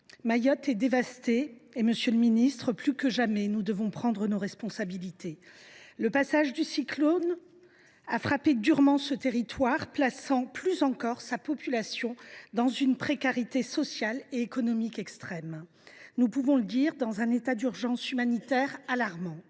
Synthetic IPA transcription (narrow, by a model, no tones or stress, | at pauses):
majɔt̪ɛd̪evast̪eːməsjøləminist̪χəplykəʒamɛnud̪əvɔ̃pχɑ̃d̪ʁənoʁɛspɔ̃sabilit̪eləpasaʒd̪ysiklon | afχaped̪yʁmɑ̃sət̪eʁit̪waʁplasɑ̃plyzɑ̃kɔʁsapɔpylasjɔ̃d̪ɑ̃zynpχekaʁit̪esɔsjaleːkɔnɔmikɛkst̪χɛm | nupuvɔ̃ləd̪iʁd̪ɑ̃zɛ̃net̪ad̪yʁʒɑ̃symanit̪ɛʁalaʁmɑ̃